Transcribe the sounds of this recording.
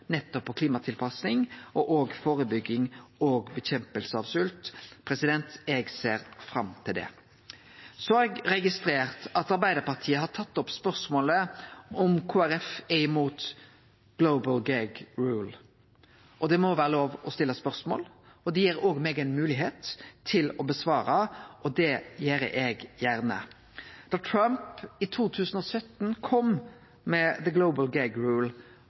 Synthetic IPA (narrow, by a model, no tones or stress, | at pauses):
nɛt̪ːɔpːɔkʰliːmɑt̪ʰɪlpʰɑsnɪŋɔʔoːɡfoːɾəbʏɡːɪŋoːɡbɛçɛmpəlsəɑʋsʉlt̪pʰɾɛsɪd̪ɛnt̪ɛɡseːɾfɾɑmt̪ʰɪld̪ɛ̰ | sɔɛɡɾɛɡɪst̪ɾeːʁt̪ɑt̪ɑɾbæɪd̪əɾpɑʁt̪ʰiːəɦɑt̪ʰɑt̪ːɔpspœɾsmoːləʔɔmkʰuːæɾɛfɛɪmuːt̪ | ɡ̥loʊbəlɡæɡɹuːl | ʔɔd̪ɛmɔʋæːɾəloːʋɔst̪ɪlːəspœʁsmo̰ːlɔd̪ɛjiːɾoːɡmɛːɡænmʉːlɪɦeːt̪ʰːɪlɔbəsʋɑːɾɑʔɔd̪ɛjeːɾʔɛɡjæɾnə̰ | d̪̥ɑʈ̪ʰɾɑmpɪt̪ʰuːt̪ʰʉːsən̩ɔsœt̪nkʰɔm | mɛðəɡloʊbəlɡæɡɹuːl